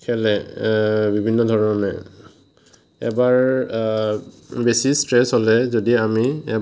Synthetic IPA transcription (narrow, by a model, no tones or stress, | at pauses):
kʰɛlɛ | bibʱinːɔdʱɔɹɔnɔnɛ | ɛ̰baɹ | besistɹɛsɦolɛzodiamiɛ